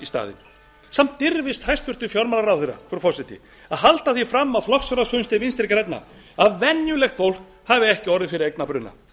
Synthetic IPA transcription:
ist̪a̰ːðɪ̰n | sam̥t̪ːɪɾvɪst̪hajst̪fʏr̥t̪ʏfjɔɾmalaɾawθerːa̰fɾɔfɔwsɪt̪ɪ̰ | aðɦalt̪aθifɾamːawflɔksɔɾasvœnst̪ɪminst̪ɪɾkɾɛjt̪na̰ | aðvɛnjʏlɛxt̪fowl̥k | havɪɛhcɪɔɾðɪfɪɾɪɾejknapɾʏnːa̰

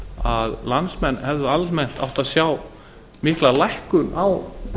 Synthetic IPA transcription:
aðlansmɛnːhɛvðʏalmɛn̥t̪a̰wht̪aðsjaːw | mɪhklalajhkʏnaw

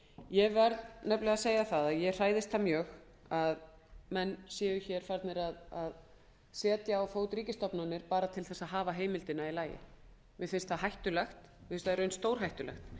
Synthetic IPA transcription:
jɛvɛɾðnɛplɛɣaseːjaθaðaðjɛr̥aːjðɪst̪amjœːx | að | mɛnːsjɛːjʏçɛɾ̥fajɾt̪nɪɾaðað | sɛːt̪jaːwfoːwt̪ɾiːcɪst̪ɔpnanɪɾpaːɾat̪ʰɪlθɛsːaðɦaːvaɦeːjmɪlt̪ɪnːailaːjɪ̰ | mɪðfɪnst̪θaɦajht̪ʏlɛxt̪ | mɪ̥vɪnst̪aɾœɥjnst̪owɾ̥ɦajht̪ʏlɛ̰xt̪

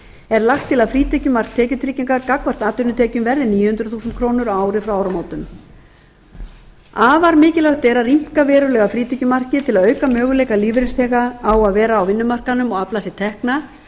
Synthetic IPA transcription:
ɛɾlaxt̪ʰːɪlaðfɾiːt̪ʰɛhcʏmar̥k̚t̪ʰɛːcʏt̪ʰɾicːiŋkaɾkakvar̥t̪aːt̪ʏɾnʏt̪ʰɛːcʏmvɛɾðɪniːjʏhʏnt̪ɾʏθuːsʏnt̪kʰɾoːnʏɾaːwɾɪfɾawaːwɾamaːwt̪ʏm | aːvaɾmɪːcɪlɛɣht̪ɛɾarim̥kavɛːɾʏɾlɛːɣafɾiːt̪ɛcʏmar̥cɪt̪ʰɪlaðœːɥkamœːɣʏlɛːjkaliːvɾɪnsθɛːɣaawaðvɛːɾaːwvɪnːʏmar̥kanʏmɔɣaplaːsɪt̪ʰɛhkna

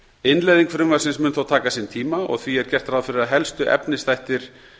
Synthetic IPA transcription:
ɪnlɛjðiŋkfɾʏŋvasɪnsmʏnθawt̪ʰaːkasiːnt̪ʰiːmaɔ̰ɣθviɛɾ̥cɛr̥t̪ɾaːðfɪɾɪɾaðɦɛlst̪ʏʔɛ̰pnɪst̪ajht̪ɪɾ̥

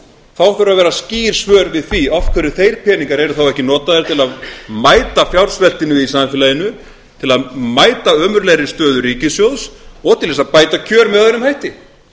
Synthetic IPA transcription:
θawfɪɾʏɾavɛːɾasciːɾ̥svœːɾvɪðθviɔfkʰvɛɾʏθejɾ̥pʰɛːniŋkaɾɛɾʏθawɛhcɪnɔːt̪aðɪɾ̥t̪ʰɪlaðmaːjt̪afjawɾ̥svɛlt̪ɪnʏɪðisamfɪlajɪnʏ | t̪ʰɪlaðmaːjt̪aœːmʏɾlɛɾɪst̪œːðʏɾiːcɪsjowðsɔɣt̪ʰɪlɛsaðpaːjt̪acʰœːɾmɛðaɛɾʏmhajht̪ɪ

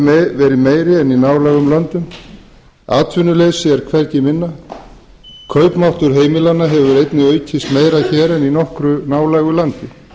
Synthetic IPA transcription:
vɛːɾɪmeːjɾɪɛninaːwlɛɣʏmlœnt̪ʏm | a̰ːt̪vʏnːʏleɣsɛɾ̥kʰvɛɾc̪ɪmɪnːa | kʰœːɥpmawht̪ʏɾ̥ɦeːjmɪlanːaɦɛvʏɾejt̪nɪœːɥt̪ʰɪst̪meːjɾaçɛːɾɛninɔhkɾʏnaːwlɛɣʏlant̪ɪ

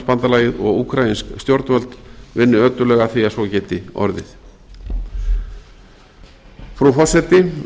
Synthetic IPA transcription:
spant̪alaːjɪðɔɣukʰɾajinskst̪joɾt̪nvœlt̪vɪnːʏœt̪ʏlɛɣaθiasvɔcɛːt̪ɪɔ̰ɾðɪ̰θ | fɾuwfɔ̥sɛt̪ɪ

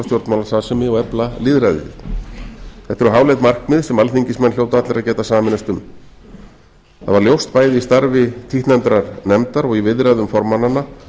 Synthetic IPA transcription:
ast̪jowɾt̪nmaːlasasɛmɪɔɣɛplalɪðɾajðɪ̰ | θɛht̪ʏɾʏɦaːwlɛjt̪mar̥kmɪðsɛmalθiɲcɪsmɛnːljoːwt̪ʏat̪lɪɾaðcɛːt̪asaːmɪnast̪ʏm | θa̰ðvaɾljowst̪paːjðɪist̪aɾvɪt̪ʰiht̪nɛmt̪ɾaɾnɛmt̪aɾɔɣivɪðɾajðʏmfɔɾmanːanːa

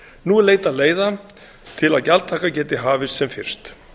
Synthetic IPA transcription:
nuleːjt̪aðleːjða | t̪ʰɪlaðcalt̪ʰaːkacɛːt̪ɪɦaːvɪsːɛmfɪ̰r̥st̪

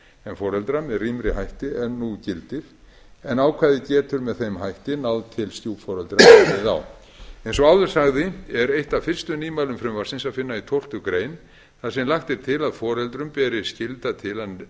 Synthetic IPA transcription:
ɛnfɔɾɛlt̪ɾamɛðrimɾɪhajht̪ɪɛɾnucɪlt̪ɪɾ̥ | ɛnaːwkʰvaːðɪcɛːt̪ʏɾmɛðθejmɦajht̪ɪnawðt̪ʰɪlst̪juːfɔɾɛlt̪ɾaθa̰w | ejnsɔawðʏɾ̥saɣðɪɛɾejht̪afɪr̥st̪ʏniːmalʏmfɾʏmvarsɪnsaðfɪnːait̪ʰowlt̪ʏkɾeːjn | θaðsɛmlaxt̪ɪɾ̥t̪ʰɪlaðfɔːɾɛlt̪ɾʏmpɛːɾɪscɪlt̪at̪ʰɪla

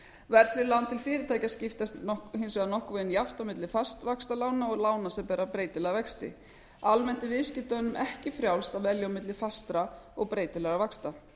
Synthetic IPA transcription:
vɛɾt̪ʰɾɪlawnt̪ʰɪlfɪːɾɪt̪ʰaːjcascɪft̪ast̪hɪnsvɛðanɔhkvɛðɪnjaft̪awmɪt̪lɪfast̪vakst̪alaːwnaɔɣlaːwnasɛpɛːɾapɾeːjt̪ɪlɛɣavɛkst̪ɪ̰ | almɛn̥t̪ɪvɪðscɪht̪anʏmʔɛhcɪfɾjaw̪st̪avɛljawmɪt̪lɪfast̪ɾaɔɣpɾeːjt̪ɪlɛɣavakst̪a

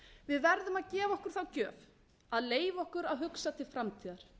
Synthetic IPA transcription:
vɪðvɛɾðʏmaðcɛːvaɔhkʏɾ̥θawcœːv | aðleːjvɔhkʏɾaðɦʏksat̪ʰɪlfɾamt̪ʰiːðaɾ̥

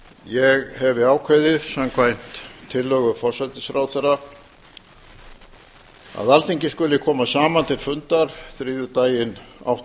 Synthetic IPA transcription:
jɛɣhɛvɪaːwkʰvajðɪðsamkʰvajn̥t̪ʰːɪlːœɣʏfɔr̥sat̪ɪsfɾaːwθɛra | a̰ðalθiɲcɪskʏlɪkʰɔːmasaːmant̪ʰɪlfʏnt̪aɾ̥θɾiːðʏt̪aːjɪna̰wht̪

